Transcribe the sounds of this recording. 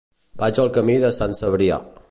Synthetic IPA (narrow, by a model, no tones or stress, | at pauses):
b̥ad͡ʒəlˠkəmiðəsansəβɾia̰